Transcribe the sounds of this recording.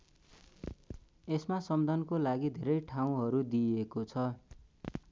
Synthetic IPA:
esmasʌmd̪ʱʌnkolaɡid̪ʱeɾʌjʈʰaw̃ɦʌɾud̪iekot͡sʰʌ

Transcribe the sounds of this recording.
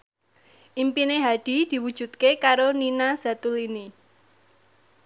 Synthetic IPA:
ʔimpineɦaɖ̥i̤d̪̥i̤wud̥ʒ̥ṳt̪̚kekaɾoninaz̥at̪ulini

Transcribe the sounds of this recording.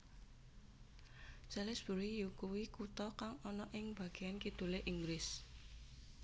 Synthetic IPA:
sɛlɛsb̥ṳɾijukuwikut̪ɔkaŋɔnɔʔɪŋb̥ä̤ɡ̥e̤ankid̪̥ṳleʔiŋɡɾɪs

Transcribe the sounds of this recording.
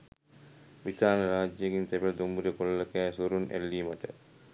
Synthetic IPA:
ʋit̪aːnɐɾaːd͡ʒɐɡint̪ɛbeld̪umbuɾɐkollɐkɛːsuɾunḛlːiːmɐʈə̰

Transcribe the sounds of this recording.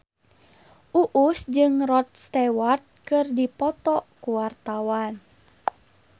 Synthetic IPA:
ʔuʔusd͡ʒɨŋrɔt̪̚st̪ɛwart̪̚kɨrdipɔt̪ɔkuwart̪awan

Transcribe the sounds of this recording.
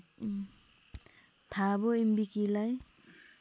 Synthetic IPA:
tʰabɔimbikilaj

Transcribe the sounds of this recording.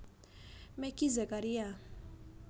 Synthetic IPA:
mɛkizɛkaɾija

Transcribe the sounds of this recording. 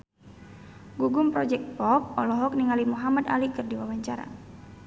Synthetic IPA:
ɡuɡumpɾɔd͡ʒɛk̚t̪̚pɔp̚ɔlɔɦɔk̚niŋalimuɦamad̪alikɨrdiwawaɲt͡ʃaɾa̰

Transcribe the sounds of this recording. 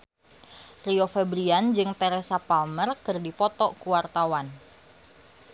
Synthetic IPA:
riofɛbɾiand͡ʒɨŋt̪ɛɾesapalmərkərdipɔt̪ɔkuwart̪awan

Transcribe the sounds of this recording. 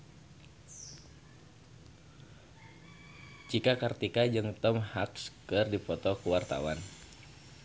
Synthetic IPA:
t͡ʃikakart̪ikad͡ʒɨŋt̪ɔmhakskɨrdipɔt̪ɔkuwart̪a̰wan

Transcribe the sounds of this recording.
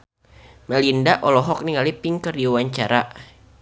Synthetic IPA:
məlindaʔɔlɔɦɔk̚niŋalipiŋkərdiwaɲt͡ʃaɾa

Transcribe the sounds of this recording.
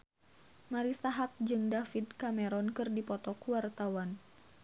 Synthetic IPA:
maɾisaɦap̚d͡ʒɨŋdafidkamɛɾɔnkɨrdipɔt̪ɔkuwart̪awan

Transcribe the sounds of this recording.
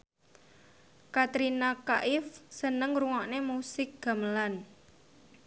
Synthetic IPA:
kat̪ɾinakaʔɪfsənəŋruŋaʔnemusɪk̚ɡ̥a̤məlan

